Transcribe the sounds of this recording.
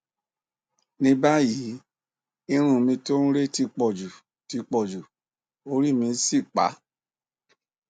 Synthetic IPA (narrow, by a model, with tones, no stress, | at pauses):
nĩ˧˦ba˦ji˨˦ | i˧ɾ̃ũ˨mĩ˧to˦nũ˦ɾe˦ti˧k͡pɔ˨d͡ʒu˨ | ti˧k͡pɔ˨d͡ʒu˨ | o˧ɾi˦˨mĩ˧˦si˦˨k͡pa̰˨˦